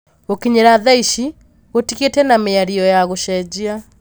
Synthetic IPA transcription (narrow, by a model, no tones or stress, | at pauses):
ɣokiɲeɾaðaiʃi | ɣotiɣetɛnameaɾiɔjaɣoʃɛd͡ʑia